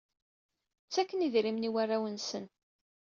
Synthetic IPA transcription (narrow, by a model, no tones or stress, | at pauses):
t͡sːækːəniðɾimniwarːawənsən